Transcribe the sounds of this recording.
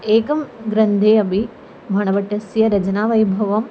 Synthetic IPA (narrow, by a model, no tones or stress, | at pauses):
eːkɐmɡɾɐnd̪ʱeːɐbʱi | bʱɐɳ̃ɐʋɐʈːɐsjɐɾɐd͡ʒɐnaːʋɐjbʱɐʋɐm